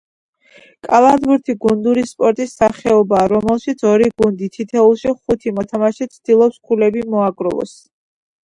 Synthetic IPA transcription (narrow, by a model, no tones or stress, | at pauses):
kʼalˠad̪buɾt̪ʰiɡund̪uɾispʼɔɾt̪ʼisːaχɛɔbaːɾɔmɛlˠʃit̪sʰɔɾiɡund̪it̪ʰit̪ʰɛulˠʃiχut̪ʰimɔt̪ʰamaʃit̪sʰd̪̥ilˠɔpskʰulɛbimɔaɡɾɔlˠɔ̰s